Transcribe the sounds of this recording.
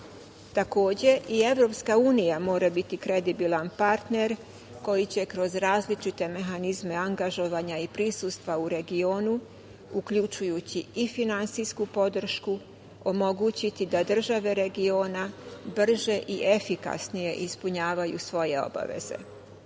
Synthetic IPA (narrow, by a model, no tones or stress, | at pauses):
t̪ako̞ːd͡ʑe̞ʔie̞ʋɾo̞pskauːnijamo̞ːɾabit̪ikɾe̞d̪ibilˠanpaɾt̪ne̞ɾ | ko̞jit͡ɕe̞kɾo̞zɾaːzlit͡ʃit̪e̞me̞ɦanizme̞aŋɡaʒo̞ʋaɲaipɾisust̪ʋauɾe̞ɡio̞ːnu | ukʎut͡ʃujut͡ɕiifinant̪sijskupo̞d̪r̩ʃku | o̞mo̞ɡut͡ɕit̪id̪ad̪r̩ʒaʋe̞ɾe̞ɡio̞ːnabr̩ʒe̞ʔiʔe̞fika̰snije̞ʔispuɲaːʋajṵsʋo̞je̞o̞̰ba̰ʋe̞̰ze̞̰